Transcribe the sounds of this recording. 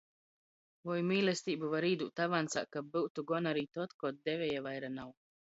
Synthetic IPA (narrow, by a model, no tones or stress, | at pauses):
vɔjmiːlɛst̪iːbuvaɾiːd̪ṵːt̪avansa̰kːabɨwt̪uɡɔnaɾiːt̪ɔt̪kɔt̪̚d̪ɛvʲɛjavajɾanaw